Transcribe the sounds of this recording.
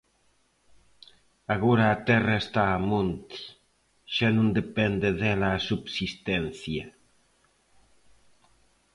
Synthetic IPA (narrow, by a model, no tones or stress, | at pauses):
aɣoɾaːt̪ɛraest̪aːmont̪i̥ | ʃanũnd̪epɛnd̪eðɛlasubsist̪ɛnθja